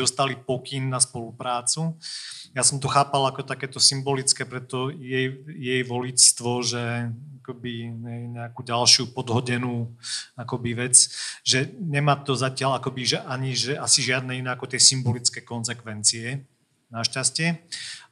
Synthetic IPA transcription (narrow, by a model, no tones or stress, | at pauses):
ɔst̪alipɔkinːaspɔlupɾaːt͡sujasɔmt̪̬ɔxaːpalakɔt̪akɛːt̪ɔsimbɔlit͡skɛːpɾɛt̪ɔjɛjjɛjʋɔlist̪ʋɔʒɛakɔbiɦɛjɲɛakuːɟalʃɪupɔd̪ɦɔɟɛnuːakɔbiʋɛt͡sʒɛɲɛmaːt̪ɔzacɪalakɔbiʒɛʔaɲiʒɛʔasiʒɪad̪nɛinɛːakɔt̪jɛsimbɔlit͡skɛjkɔnzɛkʋɛnt͡siɛ | naʃcascɪɛ